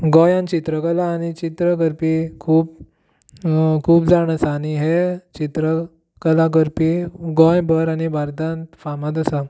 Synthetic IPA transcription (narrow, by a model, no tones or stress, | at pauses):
ɡõjãnt͡ɕit̪ɾəkəlaːɽit͡ɕit̪ɾəɡəɾpikʰuːb | kʰuːbd͡zaɽ̃əsaniɦet͡ɕit̪ɾə | kəlaɡəɾpiɡɔ̃jbəɾaɽ̃ibaɾd̪ãnt̪famad̪əsa